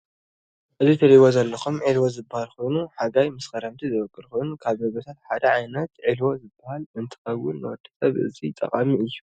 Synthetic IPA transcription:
ʔɨzit̪ʰɐɾiβozɐlːɐxumʕilwozɨbːahalxo̞jnuħaɡajmɨskɐɾɐmt̪ʰizɨβɐkʼːɨɾxunkʰaβzɐβɐt̪ʰat̪ħad̪ɐʕajnɐt̪ʕilwozɨbːɐhalɨnt̪ʰɨ̥xɐwʊlːɨwɔd̪̥i̥sʼɐβɨ̰zit̪ʼɐ̰qʼamiɨjːu

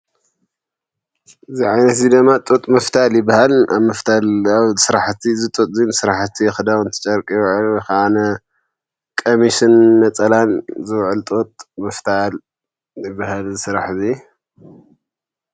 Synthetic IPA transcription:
ʔɨziʕajnɐt̪zid̪ɨmːat̪ʼot̪ʼmɨft̪ʰaljɪbːahala̰βmɨft̪ʰalaβsɨɾaħt̪ʰizɨt̪ʼot̪ʼzinsɨɾaħt̪ʰixɨd̪awɨnt̪ʰɨ̥t͡ʃʼɐɾkʼjʕɨlxaanɐ | kʼomiʃɨnnɐt͡sʼɐlanzɨwʕɨlt̪ʼot̪ʼmɨft̪ʰal | jɪbːahalzɨsɨɾaħzi

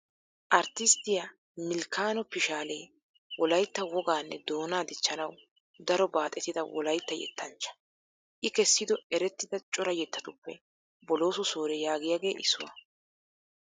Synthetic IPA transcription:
ʔɐɾt̪ɪst̪ɪja | mɪlkaːnɔpɪʃaːleː | wʔɔlɐjt̪ːɐwɔɡaːnːɛ̰d̪o̞ːnaːd̪ɪt͡ʃːɐnɐw | d̪ɐɾɔbaːt̪ʼɛt̪ːɪd̪ɐwɔ̰lɐjt̪ːɐjɛ̰t̪ːɐnt͡ʃːɐ̥ | ʔɪkɛsːɪd̪ɔɛɾɛt̪ːɪd̪ɐt͡ʃʼɔɾɐjɛt̪ːɐt̪ʊpːɛ̰ | bɔlo̞ːsɔso̞ːɾɛjaːɡɪjaːɡe̞ːʔɪsːʊwɐ̰

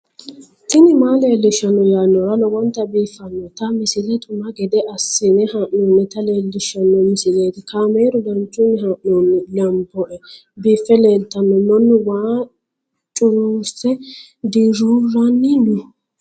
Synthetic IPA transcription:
t̪ɪnɪmaːle̞ːlːɪʃːɐnːɔjaːnːɔɾɐlɔwɔnt̪ːɐbiːfːɐnːɔt̪ɐmɪsɪlɛt̪ʼʊmɐɡɛd̪ɛʔɐsːɪnɛhaʔnɔːnːɛt̪ɐleːlːɪʃːɐnːɔmɪsɪleːt̪ɪkaːmeːɾʊlɐnt͡ʃʼːʊnɪɦaʔnoːnːɛlɐmbɔʔɛ | biːfːɛleːlt̪ɐnːɔmɔnːʊwaː | t͡ʃʼʊɾuːsɛ | d̪iɾuːɾɐnːɪnʊ

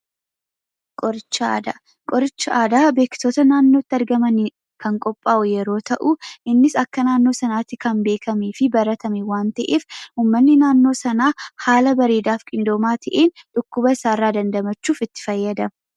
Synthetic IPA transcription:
kʼɔɾɪt͡ʃːɪa̰ːd̪a | kʼɔɾɪt͡ʃːɪʔaːd̪aːbe̞ːkːɪ̥t̪oːt̪ɐnaːnːo̞ːt̪ːɪɐɾɡɐmɐni | kɐŋkʼɔpʼːaːʔʊjɛɾo̞ːt̪ɐʔuɪnːɪsɐkːɐnaːnːo̞ːsɐnaːt̪ːɪkɐmbe̞ːkʰɐmiːfɪbɐɾɐt̪ɐmɛwaːnt̪ɐʔeːfuːmːɐnːɪnaːnːo̞ːsɐnaːhaːlɐbɐɾeːd̪aːfkʼɪnd̪o̞ːmaːt̪ʰɐʔeːnᶑ̪ʼʊkːʊbɐɪsaːrːaːd̪ɐnd̪ɐmɐt͡ʃːuːfɪt̪ːɪ̥fɐjːɐd̪ɐ

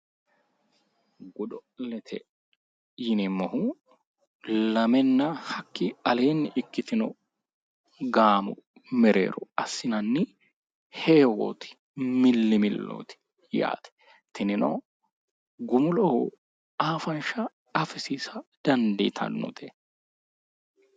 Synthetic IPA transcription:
ɡʊᶑɔlɛt̪ʰɛ | jɪnɪmːɔhʊ | lɐmɛnːɐhɐkːɪɐle̞ːnːɪʔɪkːɪt̪ɪnɔ | ɡaːmʊ | mɛɾḛːɾɔɐsːɪnɐnːɪ | heːwo̰ːt̪ɪ̥ | mɪlːɪmɪlːo̰ːt̪ɪ̥ | ja̰ːt̪ɛ̥ | t̪ʰɪnɪnɔ̰ | ɡʊmʊlɔ | aːfɐnʃɐ | ɐfɪsiːsɐd̪̥ɐnd̪ḭːt̪ʰɐ̰nːɔ̰t̪ɛ

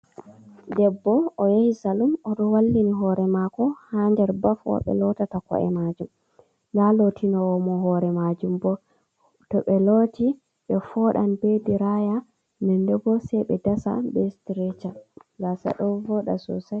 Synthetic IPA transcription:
dɛbːɔːjahisalumɔɗɔwalːiniɦɔɾɛmakɔhandɛɾbafɔ̰ɓɛ̰lɔtatakɔ̰ʔɛ̰mad͡ʒum | ŋɡalotʰinɔwɔmɔhɔɾɛmad͡ʒumbɔ | tɔɓɛloti | ɓɛfɔɗanbediɾaja | nɛndɛɡɔsɛjɓɛdasa̰bɛstɾɛt͡ʃaɡasa̰ɗɔvɔɗa̰sɔ̰sa

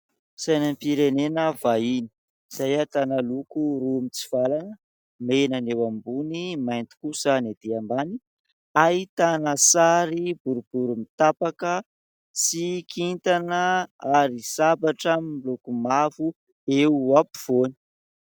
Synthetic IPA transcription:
sajnampiɾenenəvaini̥ | z̥ajat̪analukuɾumit͡si̥v̥alanə | menanewambunimajnt̪i̥kusanad̪̥eambani | ait̪anəsaɾibuɾub̥uɾumit̪apakə | t͡sikʰint̪anəaɾisabaʈ͡ʂəmilokumavu | eapi̥v̥oni̥

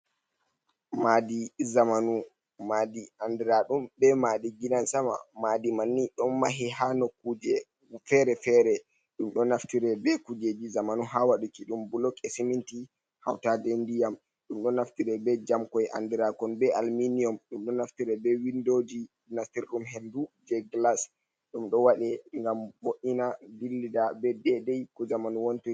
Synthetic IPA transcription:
madizamanu | madiandiɾaɗumbɛmadiɡinansama̰madimanːiɗɔnmaɦiɦanokːud͡ʒɛ | fɛɾɛfɛɾɛ | ɗumɗɔnaftiɾɛbɛkud͡ʒed͡ʒizamanuɦawaɗukiɗumbulɔkesiminti | ha̰wtadɛndijam | ɗumɗɔnaftiɾɛbɛd͡ʒamkɔjʔa̰ndiɾakɔnbɛalminiɔmɗumɗɔnaftiɾɛbɛwindod͡ʒi | naftiɾɗumɦɛndud͡ʒɛɡlas | ɗumɗɔwaɗɛŋɡamboʔinadilːidabɛdɛdɛjkɔzamanuwonti

